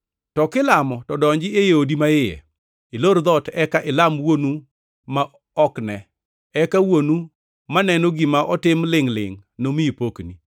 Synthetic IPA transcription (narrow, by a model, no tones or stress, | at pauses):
tɔkɪlamɔtɔdɔɲd͡ʒɪejeodimaɪjɛ̰ | ɪloɾd̪ɔtɛkaʔɪlamwonu | ma | ɔknɛ | ɛkawonu | manɛnoɡɪmaʔɔtɪmlɪŋlɪ̰ŋnomiipokni